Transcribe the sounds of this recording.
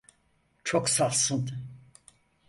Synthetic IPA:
t͡ʃʰoksalˠsɯn

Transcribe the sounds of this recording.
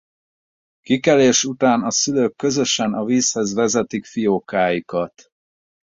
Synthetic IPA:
kikɛleːʃut̪aːnɒsyløːkːø̞zø̞ʃɛnɒviːshɛzʋɛzɛt̪ikfijoːkaːjikɒt̪

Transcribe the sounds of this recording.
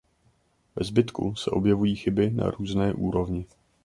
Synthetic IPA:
vɛzbɪt̪kṵsɛʔo̞bjɛvujiːxɪbɪna̰ɾuːznɛːʔuːɾo̞vɲɪ

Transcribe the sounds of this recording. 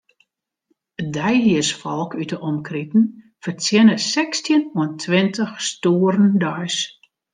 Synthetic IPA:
ədɛjɦiəsfɔlˠkʰytəʔɔmkritn̩ | fərt͡sjɛnəsɛkstjənuəntʰʋɪntəxstoːəɾəndœjs

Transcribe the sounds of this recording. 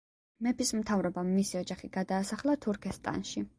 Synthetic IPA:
mɛpʰismt̪ʰavɾɔbaːisiɔd͡ʒaχiɡ̥ad̪aːsaχlˠat̪ʰuɾkʰɛst̪ʼa̰nʃi

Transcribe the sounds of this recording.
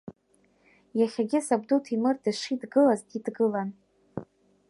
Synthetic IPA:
jaχʲaɡʲɪsab̚dutʰimɨrdɨʂidɡɨlazdidɡɨlan

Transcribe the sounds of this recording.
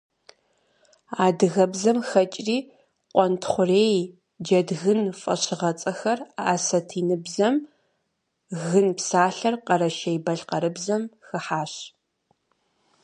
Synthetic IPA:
aːdɨɣɐbzɐmxɐt͡ʃʼriː | qʷʼɔntʰχʷʊreːj | d͡ʒɐdɣɨnfʼɐ̰ɕɪʁɐt͡sʼɐxɐra̰ːsɐtʰiːnɨbzɐm | ɣɨnpsaːɬɐrqɐɾɐʃɐjbɐɬqɐɾɨbzɐmxɨħaːɕ

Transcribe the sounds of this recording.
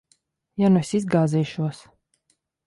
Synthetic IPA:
janɛsizɡaːziːʃuɔs

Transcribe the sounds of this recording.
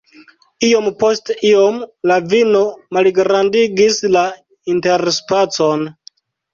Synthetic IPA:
io̞mpo̞stio̞mlavino̞malɡɾandiɡisla | inteɾspat͡so̞n

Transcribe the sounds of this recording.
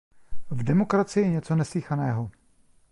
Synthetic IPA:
vdɛmo̞kɾat͡sɪjɛɲɛt͡so̞nɛslixanɛːɦo̞

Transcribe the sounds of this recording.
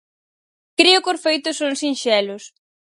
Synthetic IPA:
kɾiʊkoɾfejt̪ʊsoŋsinʃɛlʊs

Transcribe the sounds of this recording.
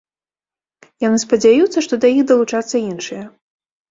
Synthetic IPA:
janɨspɐd͡zʲajut̪sːɐʂt̪ɔd̪ɐjixd̪ɐlˠut͡ʂat̪sːɐinʂɨjɐ

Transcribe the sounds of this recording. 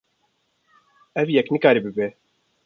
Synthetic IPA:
ɛvjɛknɨkaːɾibɨbe

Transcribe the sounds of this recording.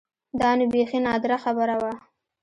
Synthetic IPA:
d̪ɑnubexinɑd̪ɾaxabəɾawa

